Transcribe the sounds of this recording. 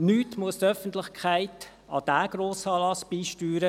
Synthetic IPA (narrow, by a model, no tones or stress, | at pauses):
nyːtmuəst̪œfən̩t̪lɪχkʰχæɪt̪ | ɑ̰d̥æːɡ̥ɾoːsɑːlɑsb̥iːʃtyːɾə